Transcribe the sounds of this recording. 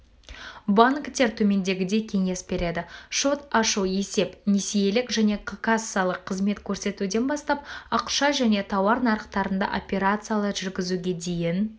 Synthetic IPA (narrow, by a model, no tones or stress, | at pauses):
baŋkt̪e̞ɾt̪ʰɵme̞nd̪e̞ɡʲɪd̪e̞kʲʰe̞ŋe̞sbe̞ɾe̞d̪ɪʃo̞t̪ɑʃuwe̞se̞pnʲesije̞lɪkʒæne̞kʰakasːɨalˠəqʰːəzme̞t̪kʲʰɵɾse̞t̪ud̪e̞nbɑst̪ɑpɑqʃɑʒæne̞t̪ʰɑwɑɾnɑɾəqt̪ɑɾənd̪ɑ̰ʔo̰pʲe̞ɾat̪sɨijalˠəʒʏɾɡʲɪzuɡʲe̞d̪e̞jɪn